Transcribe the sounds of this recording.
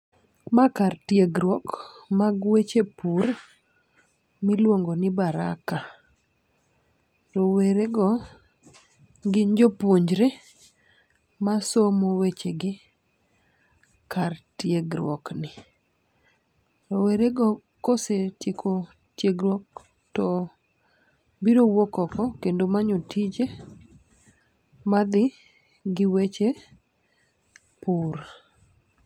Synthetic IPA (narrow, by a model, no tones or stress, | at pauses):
makartjeɡɾwɔkmaɡwet͡ʃepur | mɪlwoŋɡonɪbaɾa̰ka | toweɾeɡɔ | ɡɪɲd͡ʒopoɲd͡ʒɾe | masomowet͡ʃeɡɪ | kartjeɡɾwɔ̰knɪ | ɔweɾeɡɔ | kosetjekʰo | tjeɡɾwɔk̚ | tɔ | biɾowokɔkɔkendomaɲotʰid͡ʒe | mad̪ɪ | ɡɪwet͡ʃe | puɾ